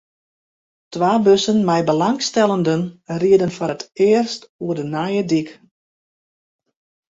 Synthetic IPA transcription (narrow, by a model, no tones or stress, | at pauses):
tʋaːbøsənmɛjbəlaŋstɛlˠəndənriədənfɔətɪərstuədənajədik